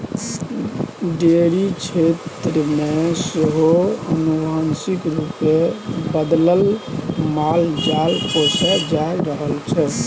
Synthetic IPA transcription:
ɖeɾit͡ʃʰet̪ɾəmeseɦoənubansikɾupebəd̪ləlmald͡ʒalkosad͡ʒajɾəɦəlt͡ʃʰɛ

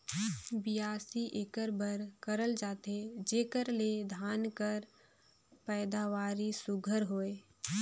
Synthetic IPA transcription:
bijaːsiʔeːkəɾbəɾkəɾəld͡ʒaːt̪ed͡ʒeːkəɾled̪ʱaːnkəɾ | pɛːd̪aːʋaːɾisʊɡʱəɾɦoːeː

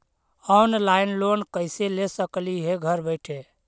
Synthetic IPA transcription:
ɔnlaɪnlonkəɪselesəkliɦeɡʱəɾbəɪʈʰe

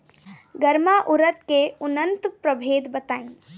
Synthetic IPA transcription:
ɡəɾmaʔʊɾət̪̚keʊnənt̪pɾəbʱeːd̪bɐt̪aːĩ

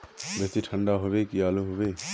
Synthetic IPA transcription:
bet̪iʈʰə̃ɳɖaɦoʋekiaːlũɦoʋeː

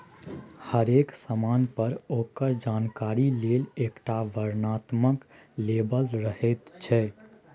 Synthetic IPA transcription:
həɾeksəmaːnpəɾokəɾd͡ʒaːnkaɾilelekʈaʋəɾnat̪məklebəlɾəɦɛt̪t͡ʃʰɛ

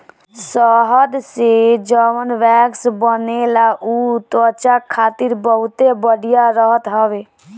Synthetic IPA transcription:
sɔɦəd̪sed͡ʒəʋənʋɛːksbənelaʔut̪ət͡ʃakʰaːt̪ɪɾbəɦʊt̪ebəɽijaɾəɦət̪ɦəʋeː

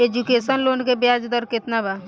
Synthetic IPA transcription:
ed͡ʒukesənloːnkebjad͡ʒd̪ɔɾket̪naba

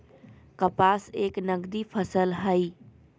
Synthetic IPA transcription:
kəpaːseːknəɡd̪ipʰəsəlɦəi

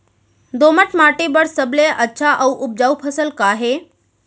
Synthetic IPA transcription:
d̪oːməʈʰmaːʈibəɽsəbleʔətːʃʰaʔɐuʔʊp̚d͡ʒaːupʰəsəlkaːɦeː

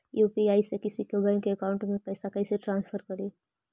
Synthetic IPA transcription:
jupiaisekisikebʱəɪnkeəkawʊɳʈmẽpəɪsakəɪseʈɾãnspʰəɾkəɾi

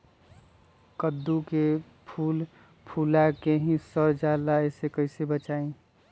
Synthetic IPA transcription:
kəd̪ːuke | pʰuːl | pʰulakeɦĩsəɾd͡ʒaːlaesekəɪsebət͡ʃaːĩ

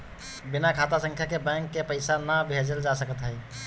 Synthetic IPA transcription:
binakʰat̪asə̃ŋkʰjakebɛ̃ŋkːepəɪsanəbʱed͡ʒəld͡ʒasəkət̪ɦəj

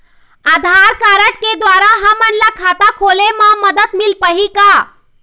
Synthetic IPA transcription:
ad̪ʱaɾkaɾəʈ̚ked̪ʋaɾaɦəmənlakʰat̪akʰolemãməd̪ət̪milpəɦika

